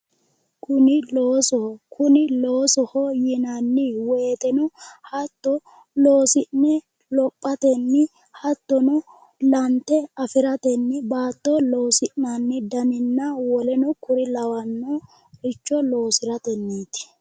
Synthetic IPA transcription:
kʰʊnɪloːsɔhkʰʊnɪloːsɔhɔjɪnɐnːɪweːt̪ɛnɔhɐt̪ːɔ | loːsɪnːɛ | lɔpʼːɐt̪ɛnːɪ | hɐt̪ːɔnʊ | lɐnt̪ːɛɐfɪɾɐt̪ɛnːɪbaːt̪ːɔloːsɪʔnɐnːɪd̪ɐmɪnːɐwɔlɛnɔkʊɾɪlɐwɐnːɔ | ɾɪt͡ʃːɔlo̞ːsɪɾɐt̪ɛnːiːt̪ɪ̥

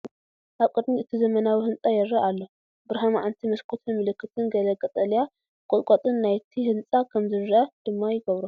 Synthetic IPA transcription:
ʔaβkʼɨd̪miɨt̪ʰizɐmɐnawihɨnt͡sʼajɛɾːɐʔalːo | bɨɾɦamaʕant̪ʰimɐskʰot̪ʰɨmɨlɨkʰːɨt̪ʰɨnɡɐlɐkʼɐt̪ʼɐlija | kʼɔlkʼot̪ʼɨnːajt̪ʰihɨnt͡sʼakʰɐmzɨɾɐd̪̥ɨmːajɪɡɐβɾu

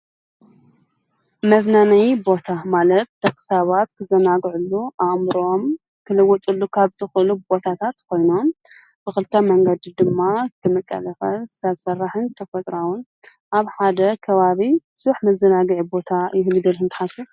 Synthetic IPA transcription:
mɐznanajbo̞t̪ʰamalɐt̪̚d̪ɐkʼɨ̥saβat̪kʰɨzɐnaɡʕulːuʔaʔmɾom | kʰɨlɐwːɔt̪ʼulːukʰaβzɨxɨlubo̞t̪ʰat̪ʰat̪kʰo̞jno̞m | b̥ɨxɨlt̪ʰɐmɐŋɡɐd̪id̪ɨmːakʰɨmɨkʼːɐ̰lɐxɐsaβsɐrːaħɨnt̪ʰɐfɐt̪ʼɾawun | ʔaβħad̪ɐkʰɐβaβi | suħmɐzɐnaɡʕibo̞t̪ʰajɪhlɨd̪ɨlɨnt̪ʰɨ̥ħasu

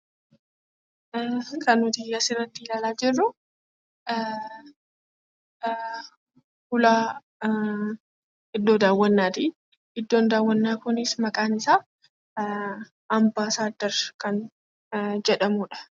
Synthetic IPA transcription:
kʰɐnʊt̪ɪjɐsɪɾːɐt̪ːilaːlaːd͡ʒɪrːʊ | hʊlaː | ɪd̪ːo̞ːd̪aːwːɐnːaːt̪i | ɪd̪ːo̞ːnd̪aːwːɐnːaːkʊnɪsmɐkʼaːnɪsaː | ɐmbaːsaːd̪ːɐɾkɐn | d͡ʒɛᶑɐmʊᶑɐ̥

